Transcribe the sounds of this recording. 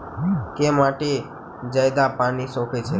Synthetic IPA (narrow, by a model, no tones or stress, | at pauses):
kemaʈe | d͡ʒəjd̪apanisɔ̃kʰet͡ʃʰe